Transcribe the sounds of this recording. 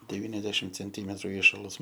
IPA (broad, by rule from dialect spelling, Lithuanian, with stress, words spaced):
dʲɛˈʋʲiːnʲɛzʲdʲɛʃʲɪm t͡sʲɛnʲˈtʲiːmʲɛtrʊ ˈiːʃɐlˠɐs